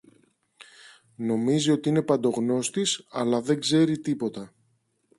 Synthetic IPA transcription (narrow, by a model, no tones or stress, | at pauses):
no̞mizio̞t̪iine̞pɐnd̪o̞ɣno̞st̪isɐ̰lɐðe̞ŋɡze̞ɾit̪ipo̞t̪ɐ